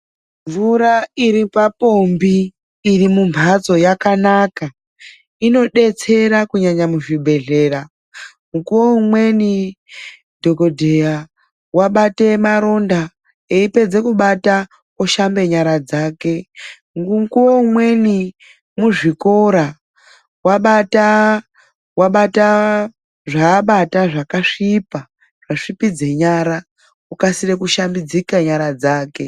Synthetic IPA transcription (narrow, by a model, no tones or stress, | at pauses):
ɱvuɾaiɾipapo̞mbiː | rimumbʱat͡so̞jakanaka | ino̞ɗe̞t͡se̞ɾakuɲaɲamuʐibʱe̞ɮe̞ra | mukuwoumwe̞ni | dʱo̞ko̞dʱeja | waɓate̞maɾo̞nda | eipe̞d͡ze̞kuɓata | oʃambe̞ɲaɾad͡zaːke̞ | ŋɡuŋkuomwe̞ni | muʐiko̞ɾa | waɓata | waɓata | ʐaːɓataʐakaʂipa | ʐ̥aʂipid͡ze̞ɲaɾa | ukasirekuʃambid͡zikaɲaɾad͡zaːke̞